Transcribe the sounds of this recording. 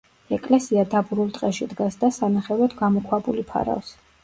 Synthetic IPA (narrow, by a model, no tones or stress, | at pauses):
ɛkʼlɛsiad̪abuɾulˠt̪ʼqʼɛʃid̪ɡasd̪asanaχɛvɾɔt̪ʰɡamɔkʰwabʼulipʰa̰ɾa̰fs